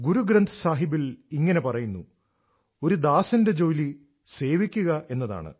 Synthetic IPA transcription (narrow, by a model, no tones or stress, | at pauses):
ɡuɾuɡɾɐnd̪ʱɐsaːɦibiliŋːɐne̞pɐrɐjunːu | o̞ɾud̪aːsɐnde̞d͡ʑo̞ːjli | se̞ːʋikʲːuɣɐʔe̞nːɐða̰ːɳɨ̰